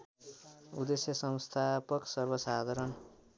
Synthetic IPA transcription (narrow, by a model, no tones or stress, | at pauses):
ud̪esjʌsʌwst̪ʰapʌksʌrbʌsad̪ʱʌɾʌn